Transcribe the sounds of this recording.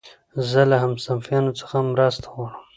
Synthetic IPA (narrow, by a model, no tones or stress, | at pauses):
zəlaɦamsamfjɑnot͡sə̥xamɾast̪ʰḁwɑɽəm